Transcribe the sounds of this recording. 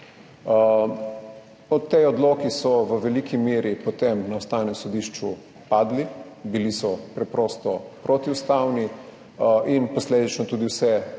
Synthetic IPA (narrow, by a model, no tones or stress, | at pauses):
ɔt̪ːejɔd̪loːkisɔʋəʋɛlikʰimeːɾipot̪emnaʊst̪aːwnɛmsɔd̪iʃt͡ʃu | paːd̪libilisɔpɾɛpɾɔst̪ɔpɾot̪iust̪awni | ʔinpɔsleːd̪it͡ʃnɔt̪uːd̪iwsɛ